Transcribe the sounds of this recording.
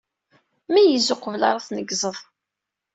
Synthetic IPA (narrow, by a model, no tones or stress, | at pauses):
mæjəzʊqəvlɑ̰ɾˤɑθnəɡzˤəðˤ